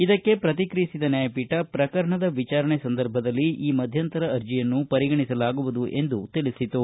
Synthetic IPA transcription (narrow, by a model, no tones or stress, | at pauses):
id̪ɐkːe̞pɾɐt̪̬ikɾijisid̪ɐnjaːjɐpiʈɐpɾɐkɐɾɐɳɐd̪ɐʋit͡ʃaːɾɐɳesɐnd̪ɐɾbʱɐd̪ɐlːiʔiːmɐd̪ʱjɐnt̪ɐɾɐːɾd͡ʒijɐnːupɐɾiɡɐɳisɐlaːɡuʋud̪uʔe̞nd̪ut̪ilisit̪u